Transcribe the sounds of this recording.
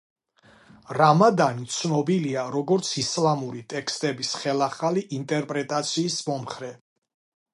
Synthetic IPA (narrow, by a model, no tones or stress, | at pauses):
ɾamad̪ant̪sʰnɔbiliaɾɔɡɔɾt̪sʰislamuɾit̪ʼɛkʰst̪ʼɛbisχɛlaχaliʔint̪ʼɛɾpʼɾɛt̪ʼat̪sʰiːsmɔmχɾɛ